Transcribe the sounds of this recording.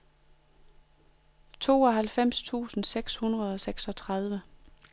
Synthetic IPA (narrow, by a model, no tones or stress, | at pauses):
t͡sʰo̝̰ːɒ̽ɦælfem̰st͡sʰṵːsn̩seɡ̥shunʁɐð̞ˠɒ̽seɡ̥sɒ̽t͡sʰʁɑðˠʋə